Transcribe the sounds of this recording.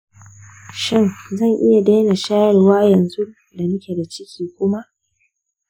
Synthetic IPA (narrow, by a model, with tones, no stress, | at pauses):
ʃɪ˦nzɐ˦˨ŋʔɪ˦ja˨deː˦na˨ʃaː˦jɪ˨rwaː˦jɐ˨nzu˦ | da˨nʊ˦kʲe˨da˨t͡ʃɪ˦kʲiː˨kʷʊ˦ma˦ʔ